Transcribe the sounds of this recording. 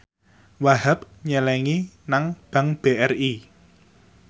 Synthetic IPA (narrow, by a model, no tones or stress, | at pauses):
wahap̚ɲɛlɛŋinaŋb̥a̤ŋb̥eʔɛri